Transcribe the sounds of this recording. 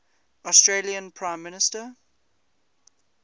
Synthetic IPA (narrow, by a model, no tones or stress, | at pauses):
ɔstɹeːliə̃npʰɹãɪ̃mːɪnɪstə